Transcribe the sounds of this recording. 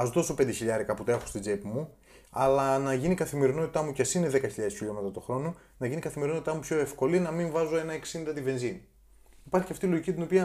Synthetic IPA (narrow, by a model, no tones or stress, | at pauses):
ɐzot̪o̞so̞pend̪eçiʎɐɾikɐput̪oe̞xost̪id͡zepmu | ɐlɐnɐʝinikɐθime̞ɾino̞t̪i̥t̪ɐmucesineðe̞kɐçiʎɐðesçiʎo̞met̪ɐt̪o̞xɾo̞no | nɐʝinikɐθimeɾinot̪it̪ɐmupço̞efko̞linɐmiɱvɐzo̞e̞nɐeksind̪ɐt̪ive̞nzin | ipɐɾçiceɐft̪ilo̞ʝicit̪̬ino̞piɐ